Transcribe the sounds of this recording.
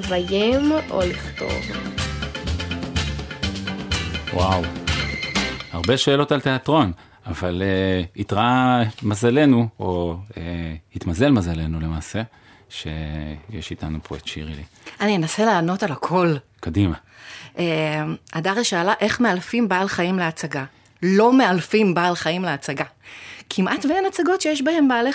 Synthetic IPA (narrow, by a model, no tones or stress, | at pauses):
vajemo̰liχt̪o̰v | waw | haʁbe̞ʃeːlo̞talte̞atʁo̞n | avaleitʁamazale̞nuoehit̪maze̞lmazale̞nule̞maːse̞ | ʃḛjeʃitanupʁojek̚t̪ʃḭʁḭli | anienase̞laːno̞talakʰo̞lkadima | ʔemadaʁeʃaːlaʔe̞χmealfimbaːlχajimleat͡saɡa | lo̞mealfimbaːlχajimleat͡saɡakʰimʔatveenat͡saɡo̞tʃejeʃbahe̞mbaːle